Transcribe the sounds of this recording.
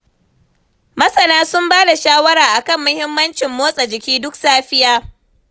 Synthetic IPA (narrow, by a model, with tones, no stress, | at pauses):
mɐ˦sɐ˨naː˦sʊ˦mbaː˦da˨ʃaː˦wɐ˦ɾaː˨ʔa˨kɐ˦˨mːʊ˦hɪ˦mːɐ˦nt͡ʃɪ˨mːoː˦sʼɐ˨d͡ʒɪ˨kʲiː˦dʊ˦ksaː˦ɸɪ˦jaː˦